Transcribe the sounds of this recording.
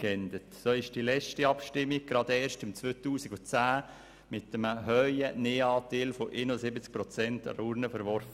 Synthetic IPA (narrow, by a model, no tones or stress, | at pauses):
kɛnd̪ətsoːɪʃd̥ilɛt͡ʃtiɑpʃtɪmːiɡ̚ɡ̥ɾɑd̪ɛːɾʃtɪmt͡sʋøːt̪uːsiɡʊt͡sæː | mɪt̪ːəməɦœʏəneːɑːt̪eːlfoʔenʊsɪbət͡sk̚pɾɔt͡sɛntɾuɾnəfəɾʋɔɾfə